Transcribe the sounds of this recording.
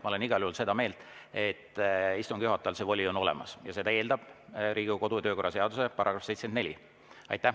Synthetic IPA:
mɑoleniɡ̥ɑlʲjuhulse̞d̪̥ɑme̞ːlt̪e̞t̪ːist̪uŋɡ̥juɦɑt̪ːˑɑlse̞vo̞lʲio̞no̞lḛmɑ̰sjɑse̞d̪̥ɑe̞ːld̪ɑb̥ɾʔiːɡuko̞d̪ut̪øːko̞rːɑse̞ɑd̪̥use̞pɑɾɑɡɾɑfset̪senne̞lʲḭ | ɑ̰jt̪ːˑæ

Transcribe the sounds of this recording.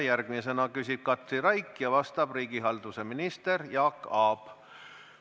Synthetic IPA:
jærɡ̥mis̬e̞nɑkysʲib̥̚kɑt̪riɾɑjkːjɑvɑst̪ɑb̥riːɡ̥iɦɑld̪useminist̪e̞rjɑːkːɑːb̥

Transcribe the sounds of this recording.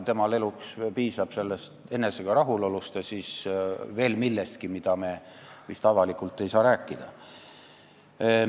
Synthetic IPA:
t̪e̞mɑle̞lukspiːsɑb̥se̞lːest̪e̞neseɡ̥ɑɾɑɦulolust̪ɑsiːsve̞ːlmilːest̪kimid̪ɑme̞ | mist̪ɑvɑlikult̪ˑːe̞jsɑːɾæːkːid̪̥ɑ

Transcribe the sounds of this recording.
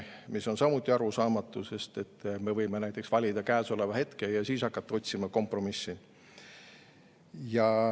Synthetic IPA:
miso̞nsɑmut̪ʲˑːiɑɾusɑːmɑt̪ːˑuse̞st̪e̞t̪ːˑme̞vɤjmenæjt̪ːˑe̞ksvɑlʲid̪̥ɑkæːso̞le̞vɑhe̞t̪ke̞jɑsiːsɑkːˑɑt̪ːɑo̞t̪ʲsimɑko̞mpro̞misːi | jɑ

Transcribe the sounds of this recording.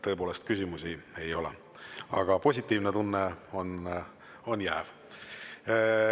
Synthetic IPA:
t̪ɤ̞epoːle̞st̪̚kysʲimusie̞jo̞lḛ | ɑ̰ɡ̥ɑpo̞sʲit̪ʲːˑiːvnet̪unːeo̞n | o̞njæːv

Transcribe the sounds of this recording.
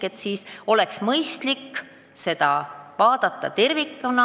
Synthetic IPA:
et̪siːso̞lɛksmɤjst̪likː | se̞d̪̥ɑ̰vɑːd̪̥ɑt̪ˑːɑ̰t̪e̞rvikːˑonɑ

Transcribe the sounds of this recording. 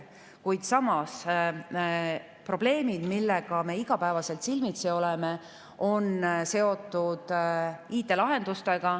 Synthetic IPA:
kujd̪̥sɑmɑs | pro̞b̥le̞ːmid̪̥milːeɡ̥ɑme̞ːiɡ̥ɑpæevɑse̞lt̪silmit̪seo̞leme̞ | o̞nse̞o̞t̪ːˑud̪̥iːt̪ːˑe̞lɑɦe̞nd̪ust̪e̞ɡ̥ɑ

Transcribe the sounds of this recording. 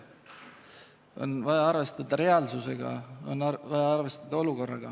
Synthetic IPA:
o̞̰nvɑjɑɑɾve̞st̪ɑd̪̥ɑɾe̞ɑlsuse̞ɡ̥ɑ̰o̞nːɑvɑjɑɑrve̞st̪ɑd̪̥ɑo̞luko̞rːɑɡ̥ɑ

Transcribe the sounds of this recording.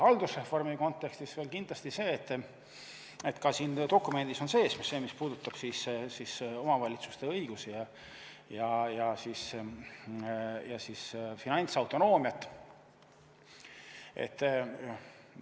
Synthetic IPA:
hɑld̪usre̞fo̞rmiko̞nt̪ˑːe̞kst̪isveːlkind̪lɑst̪ise̞ːt̪ː | et̪kɑsiːnd̪o̞kˑːume̞nd̪̥iso̞nse̞ːsmisse̞ːmispuːd̪ut̪ːˑɑb̥sissiso̞mɑvɑlʲit̪su̥st̪e̞ɤ̞jɡ̥usijɑ | jɑjɑsiːs | jɑsisfinɑnʲt̪sɑwt̪o̞no̞ːmijɑt̪ːˑ | e̞̰t̪ːˑ

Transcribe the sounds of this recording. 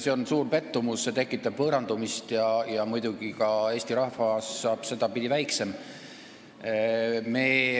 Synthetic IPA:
se̞o̞nsuːrpe̞t̪ːumusːe̞t̪e̞kːˑit̪ːˑɑb̥vɤɾɑnd̪umist̪jɑjɑmujd̪̥uɡ̥ikɑe̞ːsʲt̪iɾɑhvɑsːɑːb̥se̞d̪̥ɑpid̪ivæjkse̞m | meː

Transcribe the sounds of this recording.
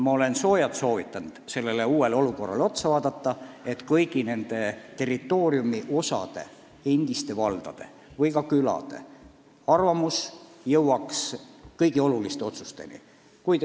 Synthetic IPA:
mɑo̞le̞nso̞ːjɑt̪so̞ːvit̪ːˑɑnd̪̥se̞lːe̞leuːwe̞lo̞luko̞rːɑ̰lo̞t̪sɑvɑːd̪ɑt̪ːɑe̞t̪ːˑkɤjɡ̥ine̞nd̪̥e̞t̪e̞rit̪ːˑo̞ːriumiʔo̞sɑ̰d̪̥e̞̰ | end̪̥ist̪e̞vɑld̪̥ɑ̰d̪̥e̞̰ | vɤjkɑkylɑ̰d̪̥e̞̰ | ɑrvɑmusjɤwwɑkskɤjɡio̞lulist̪eo̞t̪su̥st̪e̞̰nḭ | kujd̪

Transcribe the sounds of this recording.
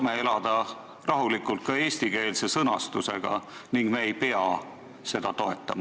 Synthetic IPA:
mee̞lɑd̪̥ɑ | rɑɦulikːˑult̪̚kɑe̞ːsʲt̪ike̞ːlse̞sɤnɑst̪use̞̰ɡ̥ɑ̰niŋɡ̥meːjpe̞ɑ | se̞d̪̥ɑt̪o̞e̞̰t̪ːˑɑmɑ

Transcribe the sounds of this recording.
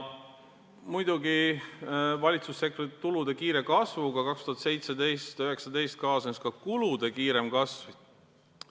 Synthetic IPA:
mujd̪̥uɡi | vɑlʲit̪susːe̞krit̪ːulud̪̥e̞kiːɾe̞kɑsvuɡ̥ɑkɑkst̪uhɑt̪se̞jt̪sed̪e̞jst̪øɦe̞ksɑd̪e̞jst̪̚kɑːsenskɑkulud̪̥e̞kiːɾe̞mkɑsvi

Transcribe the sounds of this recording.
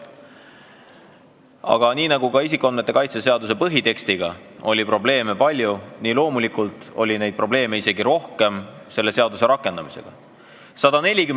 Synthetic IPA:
ɑ̰ɡ̥ɑniːnɑɡukɑis̬ikːˑuɑnmet̪ːe̞kɑjt̪se̞se̞ɑd̪use̞pɤɦit̪e̞kst̪iɡ̥ɑo̞lʲipro̞ble̞ːme̞pɑlʲjuniːlo̞ːmulikult̪ˑo̞̰lʲine̞jd̪̚pro̞ble̞ːme̞ise̞ɡiɾo̞hke̞mse̞lːe̞se̞ɑd̪use̞ɾɑkːˑe̞nd̪̥ɑmise̞̰ɡ̥ɑ | sɑd̪ɑne̞lʲiky

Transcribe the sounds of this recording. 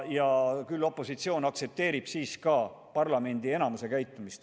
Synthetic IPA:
jɑkylːo̞pːˑo̞sit̪sio̞ːnɑkt̪se̞p̚t̪e̞ːɾib̥siːskɑ | pɑrlɑme̞nd̪ie̞nɑmuse̞kæjt̪ːˑumist̪

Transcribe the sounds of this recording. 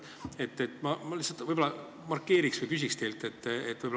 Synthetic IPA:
e̞t̪ːet̪ːmɑmɑlisːɑt̪vɤjbo̞lɑ | mɑrkːe̞ːɾiksvɯjpys̬ʲikst̪ejlt̪e̞t̪ːet̪ːvɤjbo

